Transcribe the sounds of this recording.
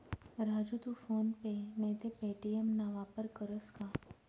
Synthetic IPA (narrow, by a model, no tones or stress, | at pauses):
ɾaːd͡ʒut̪ufoːnpenet̪epeːʈijemnaʋaːpəɾkəɾəskaː